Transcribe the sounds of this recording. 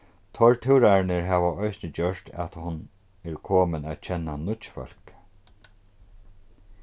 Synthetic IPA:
t̪ʰɔɹt̪ʰɪwɾaɹnɪɹɦaːʋaɔjsnəd͡ʑœʂt̪ʰa̰t̪hʊn | ɛɹkʰoːmɪnat̪̚t͡ʃʰɛnːanʊt̪t͡ʃfœ̰l̥k

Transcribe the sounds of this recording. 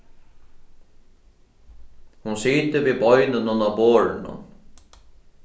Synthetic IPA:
hʊnsiːt̪ɪviːbɔjnɪnʊnaboːɹɪnʊ̰n

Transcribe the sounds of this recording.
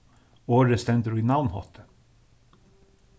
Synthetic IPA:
oːɹəst̪ɛnd̪ɾʉiːnɑʊnhɔ̰t̪ʰə̥

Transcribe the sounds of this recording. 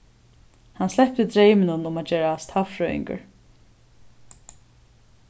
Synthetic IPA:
hanslɛhp̚t̪ɪd̪ɾeːjmɪnʊnʊmat̪d͡ʒeːɾast̪ʰhafɹœɪ̰ŋkə̰ɹ

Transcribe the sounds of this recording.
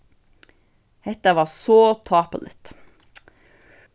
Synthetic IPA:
hɛt̪əʋɑːsoːt̪ʰɑːpə̰lɪ̰t̪

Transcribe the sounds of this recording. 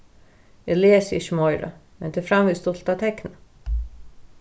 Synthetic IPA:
jɛleːsəɪ̰çəmɔʏɾə̰mɛnd̪eːfɾɑmʋiːst̪ɔlt̪at̪ʰɛknə

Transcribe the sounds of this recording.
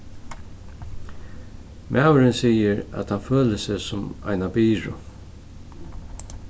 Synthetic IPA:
mʔæːwəɾɪnsiːəɹæ̰t̪hanføːləsɪsʊma̰ɪnabiːɹʊ̰

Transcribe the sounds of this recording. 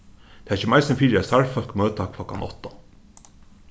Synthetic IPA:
t̪ʰeæɾçɪmaɪsɪnfiːɾast̪aɹfœlkmøːt̪akʰlɔka̰nʔɔ̰ht̪ɔ

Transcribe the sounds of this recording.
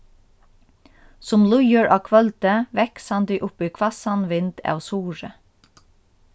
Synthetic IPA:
sʊmlʊjəɹʔɑːkʰʋœlt̪əʋɛkshɑnd̪iːʔʊpiːkʰʋɑsɑnʋɪnd̪ɑ̰ʋsuːɹə

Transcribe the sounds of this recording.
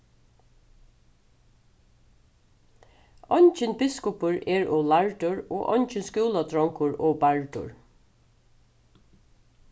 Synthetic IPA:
ɔnt͡ʃɪnbɪskʊpʊɹɛːɹɔːlaɹdʊɹo̰ːʔɔnt͡ʃɪnskuːlat̪ʰɾɔŋkʊɹoːbaɹd̪ʊ̰ɹ

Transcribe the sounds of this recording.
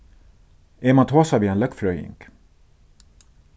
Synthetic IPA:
eːmɑt̪ʰoːsɑʋiːeːnlœkfɾœʏjɪ̰ŋk

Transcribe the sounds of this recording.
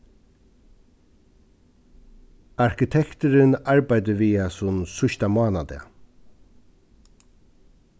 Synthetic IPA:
aɹkɪt̪ʰɛkt̪əɾɪnaɹbajd̪əʋiːasʊnsʊʃt̪amaːnad̪ɛ̰

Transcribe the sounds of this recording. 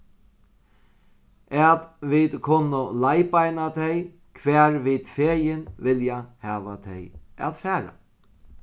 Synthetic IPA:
ɛːt̪vid̪kʰʊnʊlajpajnat̪ʰɛj | kʰʋæːɾʋɪːd̪feːjɪnvɪljahæːʋat̪ʰɛja̰ðfæːɾa̰

